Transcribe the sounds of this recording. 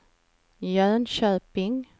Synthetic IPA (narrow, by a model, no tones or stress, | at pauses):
jœːnɕøːpɪŋ